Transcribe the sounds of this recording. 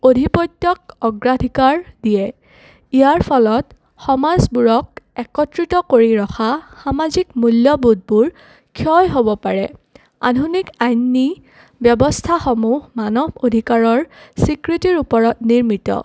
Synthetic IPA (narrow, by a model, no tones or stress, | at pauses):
odʱipɔjtːjɔk̚ɔɡɹadʱikaɹdijɛ | ijaɹpʰɔlɔt | xɔmazbuɹɔk̚ɛkɔtɹitɔkoɹiɹɔxʰaxamazikmuljɔbud̚buɹ | kʰjɔjɦobɔpaɹɛ | a̰dʱunikajnːi | bjɔbɔstʰaxomuɦmanɔbodʱikaɹɔɹsikɹitiɹupɔɹɔtniɹmitɔ̰